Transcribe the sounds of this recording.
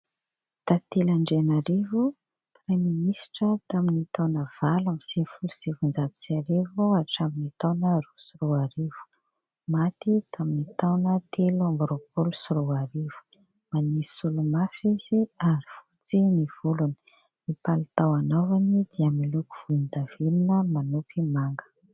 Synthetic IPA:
t̪at̪elaɳɖ͡ʐenaɾivu | preminisi̥ʈ͡ʂət̪aminit̪awnəv̥alamsinifulusivund͡zat̪u̥siaɾevuaʈ͡ʂaminit̪awnəɾusuɾuaɾivu̥ | mat̪it̪ʰaminit̪awnət̪ʰelambɾopolusuɾuaɾiv̥u̥ | manisulumasiziaɾifut͡siniv̥uluni̥ | nipalut̪awanawanid̪̥iamilukuv̥uind̪avilinəmanupimaŋɡə̥

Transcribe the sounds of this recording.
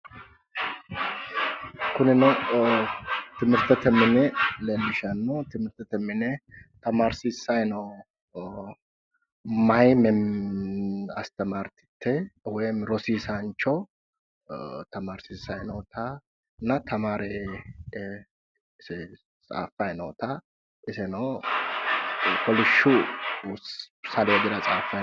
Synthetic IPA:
kʊnɪnɐw | t̪ɪmɨɾt̪ɛt̪ɛmɪnɛlɛmɪʃɐnːot̪ɪmɨɾt̪ɛt̪ɛmːɪnɛt̪ɐmaːɾsisajnɐw | majmɛ | ɐst̪ɐmaːɾt̪ɪ̥t̪ʰːɛwɔjmɾɔsiːsant͡ʃːɔ | t̪ɐmaːɾsisːɐjnoːt̪ʰɐ | nɐt̪ʰɐmaːɾɛ | sɛ | t͡sʼa̰ːfɐjno̰ːt̪ɐ | ɪsɛnɐw | kɔlɪʃːʊ | sɐleːd̪ɪɾɐt͡sʼaːfɐ

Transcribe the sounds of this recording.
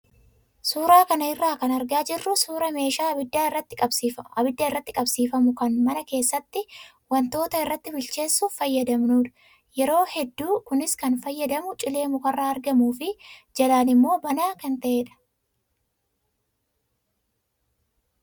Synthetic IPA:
suːɾaːkɐnɐɪrːaːkɐnɐɾɡaːd͡ʒɪrːʊsuːɾɐme̞ːʃaːɐbɪd̪ːaːɪrːɐt̪ːɪ̥kʼɐbsiːfɐɐbɪd̪ːɐɪrːɐt̪ːɪkʼɐbsiːfɐmʊkɐnmɐnɐke̞ːsːɐt̪ːɪ | wɐnt̪o̞ːt̪ɐɪrːɐt̪ːɪbɪlt͡ʃe̞ːsːʊfɐjːɐd̪ɐmnuːᶑɐ̥ | jɛɾo̞ːhɛd̪ːuːkʊnɪskɐnfɐjːɐd̪ɐmʊt͡ʃʼɪle̞ːmʊkɐrːaːɐɾɡɐmuːfɪd͡ʒɐlaːnɪmːo̞ːbɐnaːkɐnt̪ɐʔeːᶑɐ̥

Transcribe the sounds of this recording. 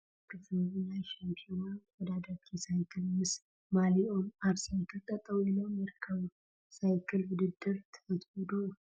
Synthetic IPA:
kɨfβɨnaʃampʰionawɔd̪ad̪akʰːisajkʰɨlmɨs | maliʔomaβsajkʰɨlt̪ʼət̪ʼːəwjɛnəwmjɛɾkʰəw | sajkʰɨlbɨd̪ɨd̪ːɨɾt̪ʰəət̪ʰɔd̪o

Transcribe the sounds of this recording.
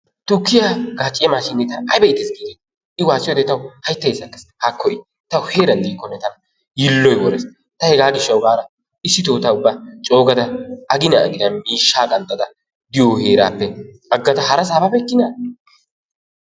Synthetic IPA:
t̪ʊkːɪjaːɡ̥aːt͡ʃʼɪjɐmaːʃɪnːɛt̪ɐnɐjbɐɪt̪ːɛsɡiːɡ̪it̪ | ɪwaːsːɪjod̪ɛt̪ɐwʊhɐjt̪ːɐjesɐkːɐshakʰːɔjɪ | t̪ɐwʊhe̞ːɾɐnd̪iːkːɔnːɛt̪ɐnɐ | jɪlːɔjwɔɾɛs | t̪ɐhɛɡaːɡɪʃːɐwɡaːɾɐ | ɪsːɪt̪oːt̪aʊbːɐt͡ʃʼo̞ːɡɐd̪ɐɐɡɪnɐɐ̰ɡɪd̪ɐnmiːʃːaːɡɐnt̪ʼːɐd̪ɐ | d̪ɪjɔhe̞ːɾa̰ːpːɛ | ɐɡːɐd̪ɐhɐɾɐs̬aːbabɛkːɪnaː

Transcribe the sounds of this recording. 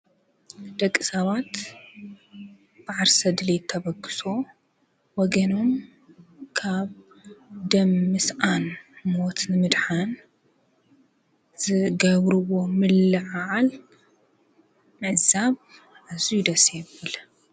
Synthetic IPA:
d̪̥ɐkʼːɨsɐβat̪ | b̥aʕaɾsɐd̪ɨlet̪ʰːɐβɐɡɨ̥so̞ | wɔɡɐnom | kʰaβ | d̪ɐmːɨsʔanmo̞t̪nɨmɨd̪ħan | z̥ɨɡɐβɾɨwo̞mɨlːɨʕaʕal | mɨʕzaβ | ʔazujud̪ɐsebɨl

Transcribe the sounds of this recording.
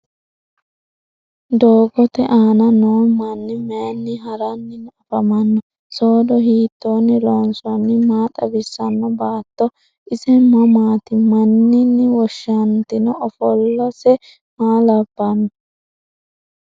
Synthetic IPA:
d̪oːɡɔt̪ɛʔaːnɐnoːmɐnːɪmɛjɐnːɪɦɐɾɐnːɪnɔfɐmɐnːɔ | soːd̪ɔɦiːt̪ːoːnːɪloːnsʊɐnːɪmaːt̪ʼɐbɪsːɐnːɔbaːt̪ːɔ | ɪsɛmɐmaːt̪ɪmɐnːɪnːɪwɔʃːɐnt̪ɪnɔʔɔfɔlːɐsɛ | maːlɐbːɐnːɔ

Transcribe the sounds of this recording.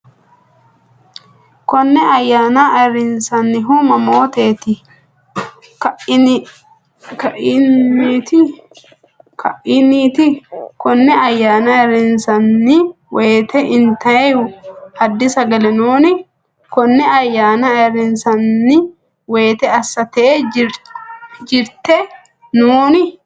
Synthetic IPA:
kɔnːɛɐjːaːnaʔɐɾɪnsɐnːɪɦʊmɐmo̞ːt̪e̞ːt̪ɪ | kʔ | t̪ | kɐʔɪniːt̪ɪkɔnːɛɐjːaːnɐɛɾɪnsɐnːɪ | we̞ːt̪ɛʔɪnt̪ɐɛjʊɐd̪ːɪsɐɡɐlɛnuːnɪ | kɔnːɛɐjːaːnɐɛɾɪnsɐnːɪ | we̞ːt̪ɛɐsːɐt̪e | d͡ʒɪɾt̪ɛ | nuːnɪ

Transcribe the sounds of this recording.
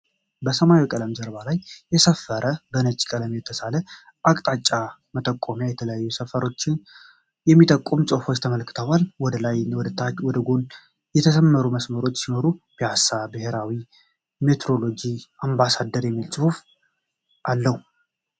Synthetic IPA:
bəsəmajwkʼələmzəɾβalajːɛsəfːəɾʔəbənət͡ʃʼkʼələmjɛt̪ʰːəsalə | ʔakʼt̪ʼat͡ʃʼːa | mət̪ʼəkʼːo̞mjajɛt̪ʰələjajːusəfəɾo̞t͡ʃːɪn | jɛmːit̪ʼəkʼːomsʼɨhufo̞t͡ʃːt̪ʰəməlkʰɨ̥t̪ʰəwalːwɔd̪əlajwɔd̪ət̪ʰːat͡ʃwɔd̪əɡo̞n | jɛt̪ʰəsəmːəɾuməsməɾo̞t͡ʃːsino̞ɾub̥jasabɨheɾawi | me̞t̪ʰɾo̞lo̞d͡ʒiambasad̪əɾjɛmːilsʼɨhuf | ʔalːəhu

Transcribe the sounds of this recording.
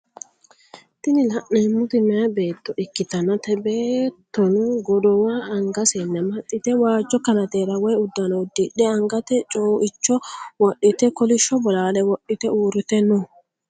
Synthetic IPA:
t̪ɪnɪlɐʔneːmːʊt̪ɪmɛjɐbe̞ːt̪ːɔʔɪkːɪt̪ɐnːɐt̪ɛbeːt̪ːɔnuɡɔd̪ɔwaːɐŋɡɐsɛnːɐmɐt̪ʼːɪt̪ɛwaːd͡ʒːɔkɐnɐt̪eːɾɐwɔjʊd̪ːɐnɔwd̪ɪᶑɛɐŋɡɐt̪ɛt͡ʃʼoːʔɪt͡ʃːɔwɔɗːɪt̪ɛkɔlɪʃːɔbɔlaːlɛwɔʔːɪt̪ɛuːɾɪt̪ɛnːɔ

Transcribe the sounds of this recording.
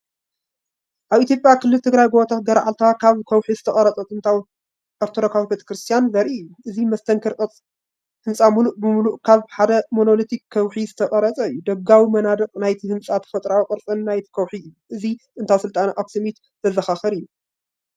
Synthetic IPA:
ʔaβit̪ʰjo̞pʼjakɨlːɨlt̪ʰɨɡɾajbot̪ʰat̪̚ɡɐɾʕa̰lt̪ʰakʰaβkʰɐwħizɨt̪ʰɐχʼɐɾɐt͡sʼɐt̪ɨnt̪ʰaw | ɐɾt̪ʰoɾokʰawbet̪ʰɐ̥kɾɨst̪ʰjanzɐɾiɨjːuʔɨzimɐst̪ʰɐŋkʰɐɾʼɨt͡sʼ | hɨnsʼamuluʔbɨmuluʔkʰaβħad̪ɐmonolot̪ʰikʰːɐwħizɨt̪ʰɐχʼɐɾɐt͡sʼɐɨjːud̪ɐɡawimɐnad̪ɐkʼnajt̪ʰihɨnsʼat̪ʰɐ̥fɐt̪ʼɾawqʼɨɾt͡sʼɨnnajt̪ʰi̥kʰɐwħijuʔɨziɨnt̪ʰawsɨlt̪ʼanʔaksimit̪ | z̥ɐzɐxaxɐɾɨjːu

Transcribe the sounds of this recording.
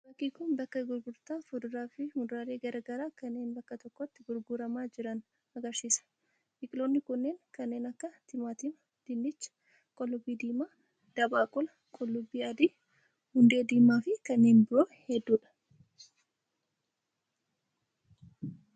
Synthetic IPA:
bɐkːiːkʊnbɐkːɐɡʊɾɡʊɾt̪aːfʊd̪ʊɾaːfɪhʊd̪ɾaːɾe̞ːɡɐɾɐɡɐɾaːkɐnːe̞ːnbɐkːɐt̪ɔkːɔɐt̪ːɪɡʊɾɡʊɾɐmaːd͡ʒɪɾɐn | ɐɡɐɾsiːsɐ̥ | ʔɪkʼɪloːnːɪkʊnːe̞ːŋkɐnːe̞ːnɐkːɐt̪ɪmaːt̪imɐ | d̪̥ɪnːɪt͡ʃːɐ̥ | kʼɔlːʊbiːd̪iːmaː | d̪̥ɐbaːkʼɔlɐ | kʼɔlːʊbiːɐd̪iː | hʊnd̪e̞ːd̪iːmaːfɪkɐnːeːnbɪɾoːhɛd̪ːuːᶑɐ̥

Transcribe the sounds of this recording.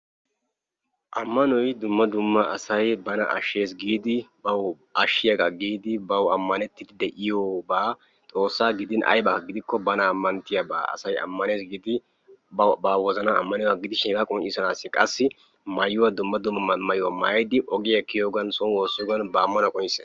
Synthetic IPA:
ʔɐmːɐnɔjd̪ʊmːɐd̪ʊmːɐɐsɐjbɐnɐ̰ʔɐ̰ʃːe̞ːsɡiːd̪ɪbɐw | ʔɐʃːɪjɐɡɐɡiːd̪ɪbɐwɐmːɐnɛt̪ːɪd̪ɪd̪ɛʔɪjoːbaː | tʼo̞ːsːaːɡɪd̪ɪnʔɐ̰jbɐɐɡɪd̪ɪkːɔbɐnɐːmːɐnt̪ɪjɐbaːɐ̰sɐjɐ̰mːɐneːsɡiːd̪ɪ | baːwɔzɐnɐɐ̰mːɐnɪaɡɪd̪ɪʃeːɡɐkʼɔnt͡ʃːɪsɐnaːsːɪkʼɐsːɪ | mɐjʊwɐd̪ʊmːɐd̪ʊmːɐmɐjʊwɐmɐjɐjd̪ɪʔɔɡɪjɐkːɪjoːɡɐnsɔnwo̞ːsːɔːɡɐnbɐːmːɐnɐkʼɔjɪse

